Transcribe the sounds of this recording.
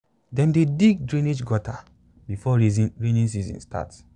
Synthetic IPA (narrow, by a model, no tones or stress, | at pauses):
dɛ̃mdediɡ̚dɹĩned͡ʒɡɔta | bifɔɹenĩns̬izḭ̃nsta̰t